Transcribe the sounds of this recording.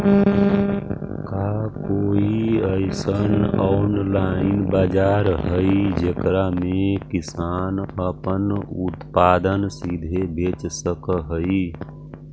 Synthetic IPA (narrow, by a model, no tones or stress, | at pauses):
kaːkoːiəɪsənɔːnlaːɪnbaːd͡ʒaːɾɦəid͡ʒekɾamẽkɪsaːnəpənʊt̪paːd̪ənsid̪ʱebʱeːt͡ʃsəkɦəi